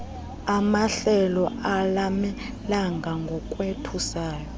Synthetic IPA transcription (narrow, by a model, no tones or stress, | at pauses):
amaɬɛlɔʔalamɛ | laŋɡʱaŋɡʱɔkʼwetʰusaːjɔ